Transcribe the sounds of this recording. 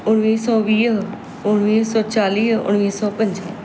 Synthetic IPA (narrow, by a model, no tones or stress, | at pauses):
ʊɽ̃ʋiːsɔːʋiːɦ | ʊɽ̃ʋiːsɔːt͡ʃaːliːɦʊ̰ɽ̃ʋiːsɔːpə̃ɲd͡ʒ